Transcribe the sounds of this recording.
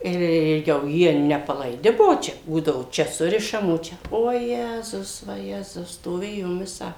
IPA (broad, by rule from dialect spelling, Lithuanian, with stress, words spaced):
ɪr ˈjɛʊ ˈjiɛ nʲɛpɐlˠɐɪˈdʲɪ ˈbuɔ ˈt͡ʃʲɛ ˈbuːdɐʋoː ˈt͡ʃʲɛ ˈsʊrʲɪʃɐm oː ˈt͡ʃʲɛ oːˈjæːzʊs ʋɐˈjæːzʊs stoːˈʋʲeːjoːm ˈʋʲɪsɑː